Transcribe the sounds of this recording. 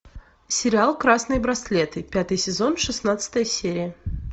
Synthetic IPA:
sʲɪɾʲɪalˠkɾasnɨjbɾɐslʲet̪ɨpʲat̪ɨjsʲɪzo̞nʂɨsnat̪sɨ̥t̪əjəsʲeɾʲɪjə

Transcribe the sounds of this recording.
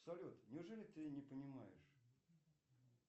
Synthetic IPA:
sɐlʲut̪nʲɪʊʐɛlʲɪt̪ɨnʲɪpənʲɪma̰jɪʂ

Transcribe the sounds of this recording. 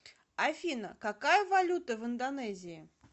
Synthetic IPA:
afʲinə̰kakajɐvalʲut̪əvɨnd̪anɛzʲiː

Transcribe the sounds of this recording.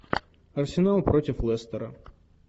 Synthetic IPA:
ɐrsʲɪnalˠpɾɔtʲɪflˠɛst̪ɛɾɐ̰

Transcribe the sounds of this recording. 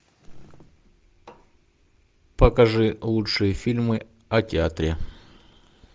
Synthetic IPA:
pəkɐʐɨlˠutɨjəfʲilʲmɨ | ɐtʲɪat̪ɾʲe

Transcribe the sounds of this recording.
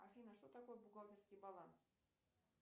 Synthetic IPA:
afʲinəʂt̪ot̪akojbʊɡalt̪ʲɪrskʲɪjbalˠans

